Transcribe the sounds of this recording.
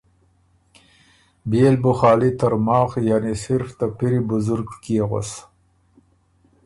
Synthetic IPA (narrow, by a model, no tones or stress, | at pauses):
beːlbʊxɑːlit̪əɾmɑːxjanisɪɾft̪apiɾibʊzʊɾɡkiɣo̰s